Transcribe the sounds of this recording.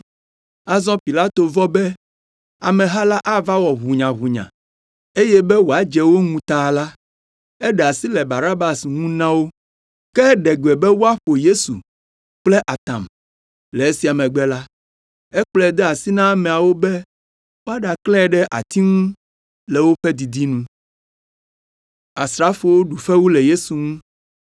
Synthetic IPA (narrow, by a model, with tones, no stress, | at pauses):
a˦zɔ̃˦pi˨la˦t̪o˨vɔ˦bɛ˦ | a˨mɛ̃˨ɦa˦la˦ʔa˦va˦wɔ˨ɦu˨ɲã˨ɦu˨ɲã̰˨ | e˦jɛ˦bɛ˦wo˨a˦d͡ʒɛ˨wo˦ŋũ˨t̪a˨la˦ | ɛ˦ɖɛ˨a˨si˦lɛ˨ba˨ɾa˦ba˨sŋũ˦nã˦wo˦ | kɛ˦ɖɛ˨ɡe˨bɛ˦wo˦a˦ɸo˨je˦sṵ˨ | k͡plɛ˦ʔa˨t̪ã̰˨m | lɛ˨e˦si˨a˨mɛ̃˨ɡ͡bɛ˦la˦ | ɛ˦k͡plɛ˦˨d̪ɛ˦a˨si˦nã˦mɛ̃˨a˨wo˦bɛ˦ | wo˦a˦ɖa˨klɛ̃˦ɛ˨ɖɛ˦ʔa̰˨t̪i˦ŋũ˦ | lɛ˨wo˦ɸɛ˦d̪i˨d̪i˦nũ˦ | a˨sɾa˦fo˨wo˦ɖu˨ɸɛ˦wu˦lɛ˨je˦su˨ŋũ˦